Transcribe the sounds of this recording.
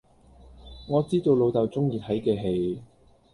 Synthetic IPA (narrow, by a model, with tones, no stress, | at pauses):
ŋɔː˨˧t͡siː˥t̪o˧wlo˨˧wt̪ɐ˨wt͡sʊ˥ŋjiː˧t̪ʰɐ˨˥jkɛː˧ɦe˧j